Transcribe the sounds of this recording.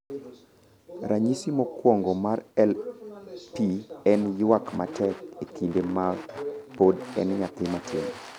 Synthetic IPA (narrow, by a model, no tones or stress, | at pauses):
ɾʔaɲisimɔkwɔŋɡɔmarɛl | piɛnjwakma̰tɛk̚ekindemapodɛnɲat̪ɪmatʰɪmɔ